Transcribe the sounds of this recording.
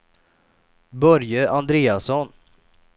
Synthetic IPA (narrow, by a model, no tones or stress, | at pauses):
bœɾjəʔand̪ɾeːasɔn